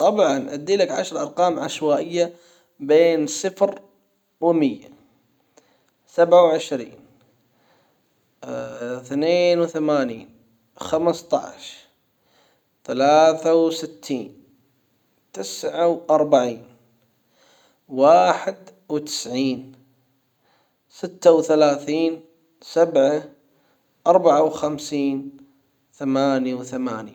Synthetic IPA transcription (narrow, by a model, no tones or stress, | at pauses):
t̪ˤɑbʕɑnʔad̪ːiːlakʕa̰ʃɾˤʔɑɾˤqɑːmʕaʃwaːʔɪjːa | beːnsɪfɾ | wmɪjːa | sabʕawʕɪʃɾḭːn | θneːnwθamaːniːn | xamst̪ˤɑ̰ʕʃ | θalaːθawsɪt̪ʰːiːn | t̪ɪsʕawʔɑɾˤbaʕiːn | waːħɪd̪wt̪ɪ̥sʕiːn | sɪt̪ːawθalaːθiːn | sabʕa | ʔɑɾˤbaʕawxamsiːn | θamaːnjawθamaːnja